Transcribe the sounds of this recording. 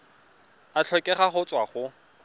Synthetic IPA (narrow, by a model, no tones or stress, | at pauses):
at͡ɬʰɔkʼɛχaχʊt͡sʼwaχʊ